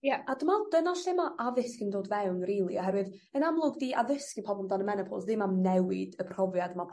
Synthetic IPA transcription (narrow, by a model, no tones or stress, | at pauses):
jɛadəmad̥ənaɬemaʔaðɪskəndoːdvɛwnriːlˠiɔɦɛɾwɨð | ənamlˠʊɡdiːʔaðɪskipʰɔblmdanəmɛnəpʰɔ̰lˠsdɪmamnɛwɪd̥əpʰr̥ɔvjadmapʰ